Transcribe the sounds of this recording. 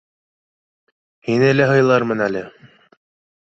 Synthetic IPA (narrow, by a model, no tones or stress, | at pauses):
hinɘlæɦɤ̆jlˠɑɾmɤnælɘ